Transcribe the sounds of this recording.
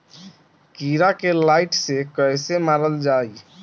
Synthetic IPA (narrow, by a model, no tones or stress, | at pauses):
kiɾakelaɪʈsekəjsemaɾəld͡ʒaːi